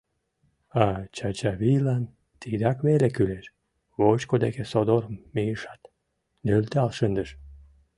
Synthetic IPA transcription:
at͡ʃat͡ɕaβilan | t̪id̪akvelekyleʃ | βot͡ʃkod̪ekesod̪ormːiʃḁt̪ | nølʲt̪alˠʃənd̪əʃ

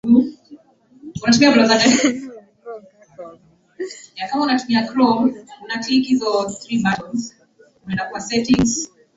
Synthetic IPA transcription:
unatumiakɾɔzata | jakamaunatumiakɾɔmunatikhizɔθɾibatɔnz | unaɛndakuwasɛtiŋz

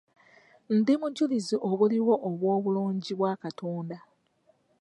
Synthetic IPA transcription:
n̩dimuɟuliziʔoβuliwo̞ʔːβwo̞ːβuloːɲɟiβwaːkatoːnda

